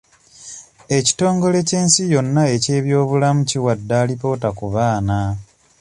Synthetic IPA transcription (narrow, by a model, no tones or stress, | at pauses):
e̞ci̥to̞ːŋɡo̞le̞ce̞ːnsijo̞nːae̞ce̞ːβjo̞ːβulamuciwadːaːlipo̞ːtakuβaːna